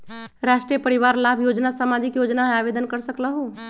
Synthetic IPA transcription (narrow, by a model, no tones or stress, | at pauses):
ɾaʃʈɾiepəɾiʋaɾlabʱjod͡ʒnasəmad͡ʒikjod͡ʒnaɦabed̪ənkəɾsəkləɦu